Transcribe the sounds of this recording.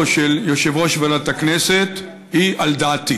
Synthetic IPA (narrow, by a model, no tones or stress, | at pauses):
ʃeljoʃevoʃvaɾat̪akneset̪ | hiʔald̪aːt̪i